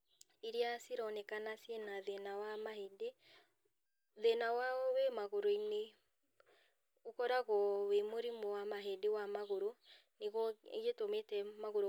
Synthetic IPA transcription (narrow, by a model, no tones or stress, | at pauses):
iɾiasiɾɔnɛkanasjenaðɛnawamahede | ðɛnawawɛmaɣoɾoine | okɔɾaɣɔwemoɾimɔwamaɦedewamaɣoɾo | neɣɔ̰ɣetometɛmaɣoɾo